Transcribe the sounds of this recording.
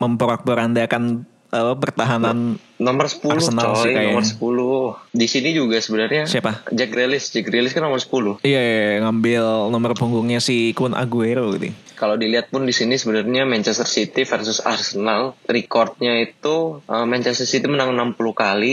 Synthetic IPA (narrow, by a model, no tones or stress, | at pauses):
məmpəɾak̚bəɾandaakan | apapərt̪aɦanan | nɔmərsə̥pualʊsənalsikajamənsə̥pulʊdisinid͡ʒuɡasəbənarɲasiapad͡ʒɛkɾelɪsd͡ʒɛk̚ɾelɪskanːɔmərsə̥pulʊhijajŋambɪlnɔmərpuŋɡʊŋɲasɪhkʊnʔa̰ɡuɛrbaɡit̪ṵ | kaladiliat̪̚pʊndisinisəbənarɲamɛnt͡ʃɛst̪ərsit̪ifərsʊsa̰rsənalrikɔrt̪̚ɲait̪uʔəmɛnt͡ʃɛst̪ərsit̪imənaŋənampulukali